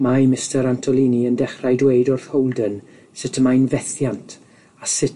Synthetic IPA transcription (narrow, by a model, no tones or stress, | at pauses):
majmɪstəɾantʰɔlˠiːniəndɛχrajdwejdɔrθhowlˠdən | sɪtʰəmajnvɛθjantʰ | asɪt